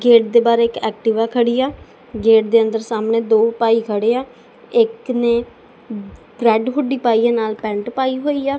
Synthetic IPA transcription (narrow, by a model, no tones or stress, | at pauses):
ɡeːʈ̚d̪eːbaːɾeːɪkɛːk̚ʈɪʋaːkʰəɽiːaː | ɡeːʈ̚d̪eːənd̪əɾsaːmneːd̪oːpaːiːkʰəɽeːaː | ɪkneː | ɡɾɛːɖɦʊɖiːpaːiːãːnaːlpɛ̃ːɳʈpaːiːɦoːiːaː